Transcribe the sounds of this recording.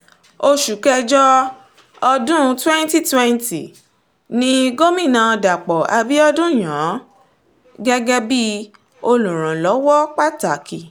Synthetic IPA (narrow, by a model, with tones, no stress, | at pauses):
o˧ʃu˨kɛ˧d͡ʒɔ˦ | ɔ˧dũ˦twɛ̃˦n˦ti˦twɛ̃˦nti˨ | nĩ˦ɡo˦mĩ˦˨nã˧da˨k͡pɔ˨a˧bi˦ɔ˦dũ˦˨j̃ã˨˦ | ɡɛ˦ɡɛ˦bi˦ | o˧lũ˨ɾ̃ã˨lɔ˨˦wɔ˦k͡pa˦ta˨ki˨